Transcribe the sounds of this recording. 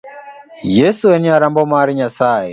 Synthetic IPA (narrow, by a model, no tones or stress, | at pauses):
jɛsuɛniaɾambɔmaːɾiɲasaːjɛ̰